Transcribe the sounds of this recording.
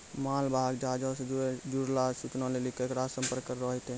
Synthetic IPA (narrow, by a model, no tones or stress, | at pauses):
maːlbʱaɡd͡ʒad͡ʒɔsed͡ʒed͡ʒuɾlasut͡ʃnalelikekɾasə̃mpəɾkːəɾɔɦɛt̪ẽ